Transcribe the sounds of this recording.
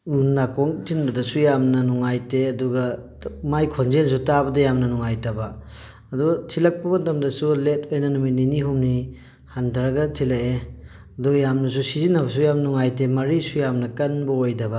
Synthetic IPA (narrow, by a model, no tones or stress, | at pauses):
nakoŋtʰinbɐdɐsujamnɐnuŋajteɐduɡɐ | majkʰonzens̬utabɐdɐjamnɐnuŋajtɐbɐː | duɡɐtʰilɐk̚pɐbɐntɐmdɐsuletʰojnɐnumininiɦumni | hantʰɐɾɐɡɐtʰilɐe | ɐduɡɐjamnɐs̬usizinɐbɐs̬ujamnɐnuŋajtemɐɾisujamnɐkɐnbɐojdɐbɐ